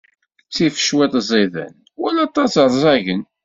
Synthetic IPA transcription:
t͡sːifə̥ʃwɪt̪ˤzˤiðæ̰n | wælɑt̪ˤːɑsɾˤzˤɑʝən

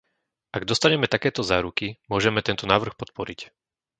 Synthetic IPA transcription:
ʔaɡd̪ɔst̪aɲɛmɛt̪akɛːt̪ɔzaːɾukimʊɔʒɛmɛt̪ɛnt̪ɔnaːʋr̩xpɔt̪̚pɔɾic

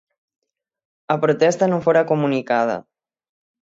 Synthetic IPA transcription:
apɾut̪ɛst̪anofoɾakumunikað̞ɐ̰

